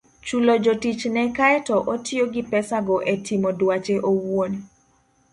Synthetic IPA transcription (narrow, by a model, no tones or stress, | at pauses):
t͡ʃulod͡ʒotit͡ʃnɛkaɛtɔʔotɪoɡipɛsaɡɔʔetʰimodwat͡ʃeʔowoni